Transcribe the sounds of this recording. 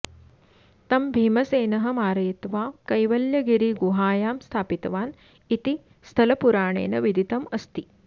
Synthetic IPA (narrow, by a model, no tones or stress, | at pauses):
t̪ɐmbʱiːmɐseːnɐɦɐ̆maːɾɐjt̪ʋaːkɐjʋɐljɐɡiɾiɡuɦaːjaːmst̪ʰaːpit̪ɐʋaːn | it̪i | st̪ʰɐlɐpuɾaːɳḛːnɐʋid̪ʱit̪ɐmɐst̪i